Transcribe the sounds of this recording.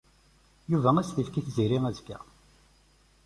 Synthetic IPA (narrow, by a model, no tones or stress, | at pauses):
juvææsθifkiθziɾiŋæzkːæ̰